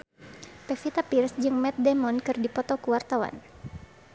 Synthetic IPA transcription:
pɛfit̪apirsd͡ʒɨŋmɛt̪̚dɛmɔnkɨrdipɔt̪ɔkuwart̪awa̰n

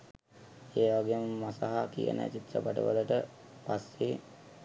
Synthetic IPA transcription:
eːʋaɡeːməmasaɦakijə̰nʔə̰t͡ʃit̪rəpaʈə̰ʋələʈə | pasːe

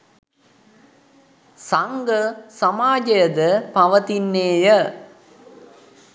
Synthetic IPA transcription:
saŋɡəsamaːd͡ʒɐjəd̪əpɐʋət̪inːeːjə

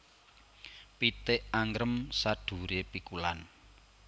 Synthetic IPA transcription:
pit̪ɪʔaŋɾəmsaɖ̪̥ṳɾepikulan

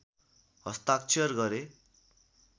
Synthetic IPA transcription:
ɦʌst̪ak̚t͡sʰijʌrɡʌɾe

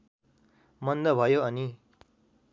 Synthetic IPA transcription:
mʌnd̪ʌbʱʌjoʌni

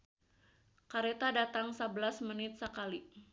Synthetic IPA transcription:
kaɾet̪adat̪aŋsəbəlasmənɪt̪̚səkali

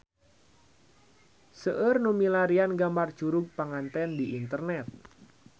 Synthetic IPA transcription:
səʔərnumilaɾianɡambard̥ʒ̥uɾʊɡ̚paŋant̪ɛndiʔint̪ərnɛt̪̚

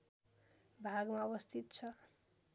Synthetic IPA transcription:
bʱaɡmaʌbʌst̪ʰit̪̚t͡sʰʌ

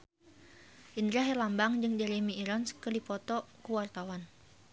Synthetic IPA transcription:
ʔind̪ɾiaɦɛlambaŋd͡ʒɨŋd͡ʒaɾimiːɾɔnskədipɔt̪ɔkuwart̪awan

